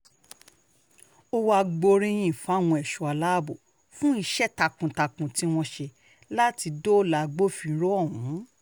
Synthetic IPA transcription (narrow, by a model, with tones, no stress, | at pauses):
o˦wa˧ɡ͡bo˧ɾĩ˧j̃ĩ˨fa˨˦˨w̃ɔ̃˧ɛ˨ʃo˨a˧la˦˨bo˨ | fũ˦i˧ʃɛ˦˨ta˧kũ˨ta˧kũ˨tĩ˨˦w̃ɔ̃˧ʃe˧ | la˦ti˧do˦la˧ɡ͡bo˦fĩ˧˦ɾo˦ɔ˦˨ɦũ˨˦